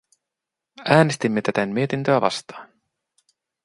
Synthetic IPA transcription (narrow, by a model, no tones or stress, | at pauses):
æːnest̪imːet̪æt̪ænmmie̞t̪int̪øæʋɑ̰st̪ɑːn